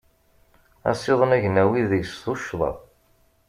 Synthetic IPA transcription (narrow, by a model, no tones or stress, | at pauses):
æ̰sˤːɪðˤənæʝnæwiðəʝsðoʃðˤɑ̰